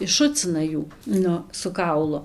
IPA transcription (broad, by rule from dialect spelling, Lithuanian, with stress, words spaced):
ɪʃˈʃʊt͡sʲɪnɐ ˈjuː ˈnʊ sʊ ˈkɐʊlˠʊ